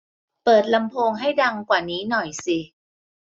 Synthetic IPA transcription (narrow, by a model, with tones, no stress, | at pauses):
pɤː˨˩t̪̚la˧mpʰoː˧ŋɦa˥˩jda˧ŋkwaː˨˩niː˦˥nɔ˨˩jsi˨˩